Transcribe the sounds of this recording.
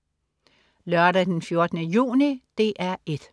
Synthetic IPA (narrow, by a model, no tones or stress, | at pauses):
lɶɐɾæd̥enfjo̝ɐd̥nəjṵːnid̥e̝ʔæɐʔe̝d̥